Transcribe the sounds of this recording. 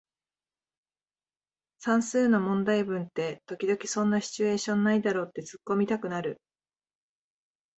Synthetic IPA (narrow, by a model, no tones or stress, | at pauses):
sãɰ̃sɨːno̞mõ̞nd̪aibɯ̟̃nt̪e̞t̪o̞kʲid̪o̞kʲi̥sõ̞nːaçi̥t͡ɕɨe̞ːɕõ̞nːaid̪aɾo̞ːt̪ːe̞t͡sɨkːo̞mʲit̪akɯ̟naɾɯ̟